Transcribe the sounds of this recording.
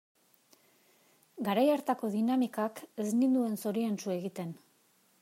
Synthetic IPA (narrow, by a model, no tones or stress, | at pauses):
ɡaɾajaɾt̪ako̞ðinamikake̞znind̪ue̞nso̞ɾiensue̞ɣit̪e̞n